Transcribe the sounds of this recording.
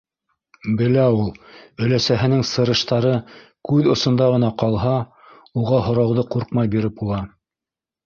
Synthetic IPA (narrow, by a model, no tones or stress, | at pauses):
bɘ̆læulˠɵ̆læsæɦɘ̆nɘŋsɤ̆ɾɤ̆ʃt̪ɑɾɤ | kʉðŏsŏnd̪ɑʁɤ̆nɑqɑlˠɦɑ | uʁɑɦŏɾɑwðɤquɾqmɑjbiɾɘp̚bulˠɑ